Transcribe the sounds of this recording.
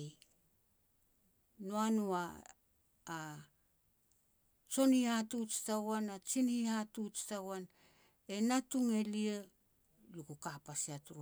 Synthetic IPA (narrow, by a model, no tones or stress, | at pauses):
noanuaː | t͡ʃo̞nihatut͡ʃi̥tawanat͡ʃinhihatut͡ʃi̥tawan | e̞natuŋe̞lie | lukukapasiatuɾ